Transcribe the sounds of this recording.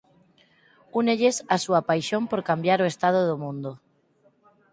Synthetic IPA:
uneʎesasuapajʃompoɾkambjaɾoest̪að̞oð̞omũnd̪o

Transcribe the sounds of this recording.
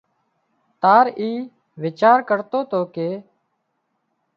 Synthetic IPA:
t̪aːɾiː | ʋɪt͡ʃaːɾkəɾt̪oːt̪oːkeː

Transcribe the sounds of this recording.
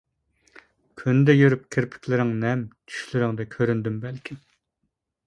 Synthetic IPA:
kʲʰynd̪ɛjøɾyp̚kʲʰɪɾpʰɪ̥kʲʰlɪɾɪŋnɛmt̪ʰy̥ʃlɪɾɪŋd̪ɛkʲʰøɾynd̪ymbɛlkʲʰim

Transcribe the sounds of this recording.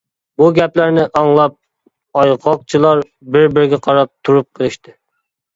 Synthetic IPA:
buɡʲɛplæɾnɪʔɑŋlˠɑp̚ | ɑjqʰɑq̚t͡ʃʰɨlˠɑɾ | bɪɾbɪɾɪɡʲɛqʰɑɾɑp̚t̪ʰuɾup̚qʰəlˠɨʃt̪ɪ

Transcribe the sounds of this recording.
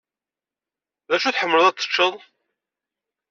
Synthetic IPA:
ðæʃuθħəmːələðˤæt͡s̪ˤːə̥t͡ʃːəðˤ

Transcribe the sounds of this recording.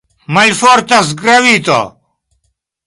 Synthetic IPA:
mɐlfoːɾt̪ɐs̬ɡɾɐwiːt̪o̰

